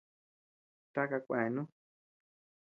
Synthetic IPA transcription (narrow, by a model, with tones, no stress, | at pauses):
t̪a˦ka˧kʷẽ˨nũ˦